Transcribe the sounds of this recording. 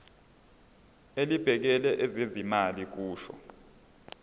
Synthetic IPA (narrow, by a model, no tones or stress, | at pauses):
elib̥ʱɛk̬ɛlɛʔɛzezimalik̬uːʃɔ̰